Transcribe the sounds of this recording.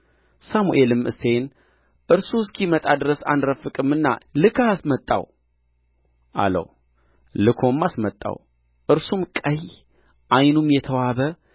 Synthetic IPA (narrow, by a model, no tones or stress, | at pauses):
samuʔelɨmʔɨ̰se̞n | ʔɨɾsuskʰimət̪ʼad̪ɨɾəsa̰nɾəfːɨkʼɨmːɨnːa̰lɨkʰasmət̪ʼːa̰w | ʔa̰lə̰w | lɨkʰo̞mːasmət̪ʼːa̰w | ʔɨɾsumkʼəj | ʔajnumjɛt̪ʰəwaβə